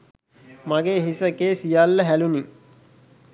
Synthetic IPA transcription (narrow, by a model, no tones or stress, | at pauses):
maɡeːɦisəkeːsijalːəɦæluni